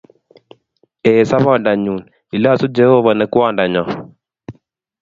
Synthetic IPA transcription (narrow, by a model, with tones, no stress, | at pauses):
ɛ˨sa˦βɔ˨nda˨ɲu˨n | i˨la˦˨su˦d͡ʒɛ˦o˦βa˨nɛ˨kwa˦˨nda˨ɲɔ˨